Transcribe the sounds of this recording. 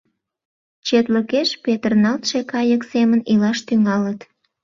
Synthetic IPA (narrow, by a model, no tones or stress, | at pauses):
t͡ɕet̪ləkeʃpet̪ərnɑlt̪ʃekɑjəksemənilɑʃt̪yŋɑlət̪